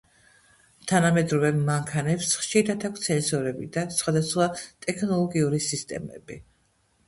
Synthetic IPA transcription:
t̪ʰanamɛd̪ɾɔvɛmːaŋkʰanɛpsχʃiɾat̪ʰak̚ʷʰt̪sʰɛnsɔɾɛbid̪asχwad̪asχwat̪ʼɛkʰnɔlˠɔɡiuɾisist̪ʼɛ̰mɛ̰bi

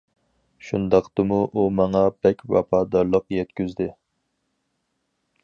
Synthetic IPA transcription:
ʃund̪ɑqt̪ɨmuʔumɑŋɑb̥ɛkʲwɑ̰pʰɑːd̪ɑɾlˠəqjɛt̪kʲyzd̪ɪ

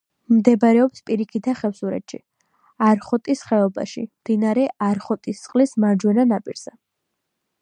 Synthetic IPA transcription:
md̪ɛbɾɛɔpspʼiɾikʰit̪ʰaχɛfsuɾɛ̰t̪ʃḭ | aɾχɔt̪ʼisχɛɔba̰ʃḭmd̪inaɾɛʔaɾχɔt̪ʼissʼqʼlismaɾd͡ʒwɛnanapʼiɾz̥ɛ

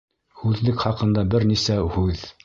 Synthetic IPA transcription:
hʉðlɘkχɑqɤ̆nd̪ɑbɘɾnisæhʉð

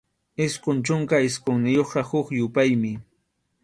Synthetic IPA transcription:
ɪsqʊnt͡ʃʊŋkaɪsqoŋnɪjoχɢɑhʊkjʊpajmɪ

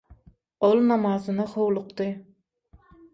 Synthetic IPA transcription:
olˠnɑmɑːzɨnɑχowlˠʊqt̪ɨ

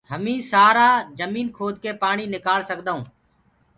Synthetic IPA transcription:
həmĩːsaːɾaːd͡ʒəmiːnkʰoːd̪keːpaːɳiːnɪkaːlsək̚d̪aũː

